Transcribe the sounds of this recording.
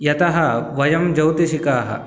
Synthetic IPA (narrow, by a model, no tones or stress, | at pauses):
jɐt̪ɐɦɐʋɐjɐmd͡ʒɐwt̪iʃikaːɦɐ̰